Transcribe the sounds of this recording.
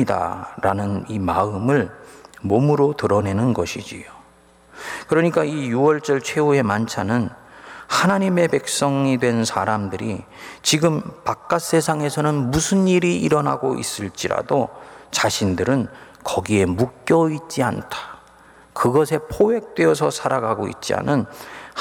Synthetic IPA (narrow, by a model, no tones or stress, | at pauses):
ida̰ɾanɯnimaɯmɯɭmomɯɾotɯɾʌne̞nɯnɡʌɕʰid͡ʑḭjo | kɯɾʌɲik͈aijuʌɭt͡ɕ͈ʌɭt͡ɕʰwe̞ue̞mant͡ɕʰanɯnhanaɲime̞pe̞k̚s͈ʌŋidwe̞nsʰaɾamdɯɾi | t͡ɕiɡɯmpak̚k͈as͈e̞sʰaŋe̞sʰʌnɯnmusʰɯniɾiiɾʌna̰ɡoʔḭs͈ɯɭt͡ɕ͈iɾa̰dot͡ɕaɕʰindɯɾɯn | kʌɡie̞muk̚k͈jʌit̚t͡ɕ͈ia̰ntʰḁ | kɯɡʌsʰe̞pʰowe̞k̚t͈we̞ʌsʰʌsʰaɾaɡaɡo̰ḭt̚t͡ɕ͈ia̰nɯn